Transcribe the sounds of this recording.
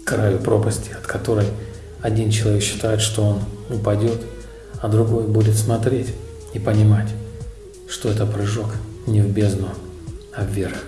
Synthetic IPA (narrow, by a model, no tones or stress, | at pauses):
kɾajʊpɾo̞pəsʲtʲɪ̥ɐt̪kɐt̪o̞ɾəj | ɐdʲint͡ɕɪlˠɐvʲekɕːɪ̥t̪ajɪt̪ʂt̪o̞o̞nʊpɐdʲo̞t̪ | ɐd̪ɾʊɡo̞jbudʲɪt̪smɐt̪ɾʲetʲ | ipənʲɪmatʲ | ʂt̪o̞ɛt̪əpɾɨʐo̞knʲɪvbʲeznʊ | ɐvːʲeɾɨ